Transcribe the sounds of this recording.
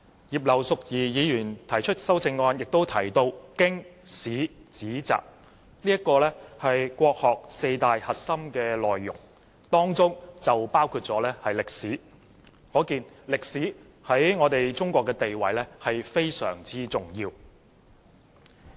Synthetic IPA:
jiː˨˩p̚lɐ˨wsʊ˨k̚jiː˨jiː˨˧jyː˨˩nt̪ʰɐ˨˩jt͡ʃʰɵ˥t̚sɐ˥wt͡sɪ˧ŋːɔː˧njɪ˨k̚t̪o˥wt̪ʰɐ˨˩jt̪o˧wkɪ˥ŋsiː˨˥t͡siː˨˥t͡sa̰ː˨k̚ | niː˥ɐ˥tkːɔː˧lɛː˥hɐ˨jkʷɔː˧k̚hɔː˨k̚se˧jt̪aː˨jhɐ˨t̚sɐ˥mkɛː˧lɔː˨jːʊ̰˨˩ŋ | t̪ɔː˥ŋt͡sʊ˥ŋt͡sɐ˨wpaː˥wkʰuː˧t̚t͡sɔː˨˥lɛː˥hɐ˨jlɪ˨k̚siː˨˥ | kɔː˨˥kiː˨˧nlɪ˨k̚siː˨˥ | hɐ˨˥jŋɔː˨˧t̪e˨jt͡sʊ˥ŋkʷɔː˧kːɛː˧t̪e˨jwɐ˨˩jlɛ˥hɐ˨jfe˥jsœ̰ː˨˩ŋt͡siː˥t͡sʊ˨ŋjiː˧w

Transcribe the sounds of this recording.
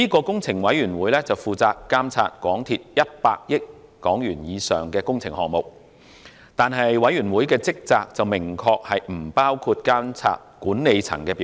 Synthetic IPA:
iː˥kɔː˧kʊ˥ŋt͡sʰɪ˨˩ŋwɐ˨˥jɥyː˨˩nwuː˨˥jlɛː˥t͡sɐ˨wfuː˨t͡saː˧kːaː˥mt͡sʰa̰ː˧t̚kwɔː˨˥ŋt̪ʰiː˧t̚jɐ˥t̚pa̰ː˧k̚jɪ˥kːɔː˨˥ŋjyː˨˩njiː˨˧sœː˨ŋkɛː˧kʊ˥ŋt͡sʰɪ˨˩ŋhɔː˨ŋ̚mo˨˩k̚ | t̪aː˨nɦɐ˨jwɐ˨˥jɥyː˨˩nwuː˨˥jkɛː˧t͡sɪ˥k̚t͡saː˧k̚t͡sɐ˨wmɪ˨˩ŋkʰɔː˧k̚hɐ˨jm̩˨˩paː˥wkʰuː˧t̚kaː˥mt͡sʰa̰ː˧t̚kuː˨˥nne˨˧jt͡sʰɐ̰˨˩ŋkɛː˧pi˨

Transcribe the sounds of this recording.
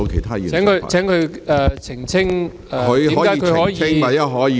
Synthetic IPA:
o˧kʰe˨˩jt̪ʰaː˥jy̰˨ɛː˨˧˥ŋkʰɵ˨˧t͡sʰɛː˨˥ŋkʰɵ˨˧ɛː˨˧t͡sʰɪ˨˩ŋt͡sʰɪ˥ŋ | ɛ˨˧ɵ˨˧ɥɔː˨˥kaː˨˥˧kʰɵː˧˨˥ji˧˥ŋa˨˩ɐ˥ɦɔː˨˥˨

